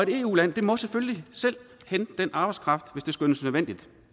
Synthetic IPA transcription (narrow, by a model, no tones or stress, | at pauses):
ɒe̝ɾe̝ːṵːlæn̰d̥e̝mɒ̽seføllisel̰ | hend̥enʔɑ̈ːb̥ɑɪskʰʁɑ̈fd̥ʋe̝sd̥e̝sɡ̥ønəsnøðˠʋen̰d̥id̥